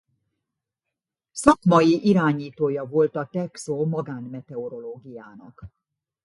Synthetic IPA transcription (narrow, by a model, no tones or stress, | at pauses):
sɒkmɒjiʔiɾaːɲiːt̪oːjɒvo̞lt̪ɒt̪ɛksoːmɒɡaːnmɛt̪ɛoɾo̞loːɡijaːnɒ̰k